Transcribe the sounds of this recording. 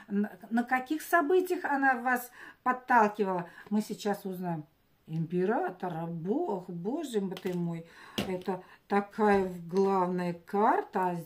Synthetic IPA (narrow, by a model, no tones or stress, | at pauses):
nəkɐkʲixsɐbɨtʲɪjəxɐnavaspɐt̪ːalˠkʲɪvəlˠəmɨsʲɪt͡ɕːasʊznajɪm | ɪmʲpʲɪɾat̪əɾəboxboʐɨjəmbət̪ɨmojɛt̪ət̪ɐkʰajəɡlˠavnəjəkart̪ə